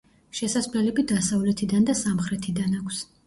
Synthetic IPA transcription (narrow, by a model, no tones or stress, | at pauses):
ʃɛsaslɛlɛbid̪asavlɛt̪ʰid̪and̪asamχɾɛt̪ʰid̪anakʷʰs